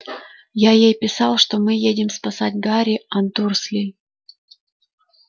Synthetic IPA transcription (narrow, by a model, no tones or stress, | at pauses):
jajejpʲɪsɑlˠʂt̪omɨjedʲɪmspɐsatʲɡaɾʲɪɐnt̪urslʲij